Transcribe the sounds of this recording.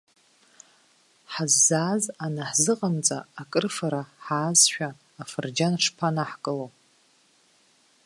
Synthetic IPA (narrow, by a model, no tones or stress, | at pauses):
ħazːaːzanaħzɨqʼamt͡sʼaakʼɨrfaɾaħaːzʃᶣaː | fɨrd͡ʒanʂpʰanaħkʼɨlow